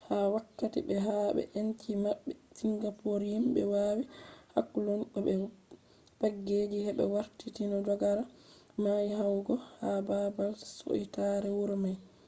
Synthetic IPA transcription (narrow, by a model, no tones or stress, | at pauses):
hawakːatḭbɛɦaɓɛ̰ʔent͡ʃimaɓːɛsiŋɡapoɾhimbɛ̰waːwiha̰kːulɔnɓɛɓɛ | paɡːed͡ʒihɛɓɛ̰waɾtitinɔd͡ʒɔɡaɾa | majihawɡɔhababalti̥so̰itaɾɛwuɾmaj